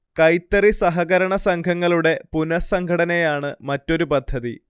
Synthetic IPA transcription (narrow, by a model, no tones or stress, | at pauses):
kɐjt̪ːɐrisɐɦɐɣɐɾɐɳɐsɐŋkʰɐŋːɐɭuɽe̞punɐsɐŋkʰɐɽɐnejaːɳɨmɐtːo̞ɾupɐd̪ʱːɐði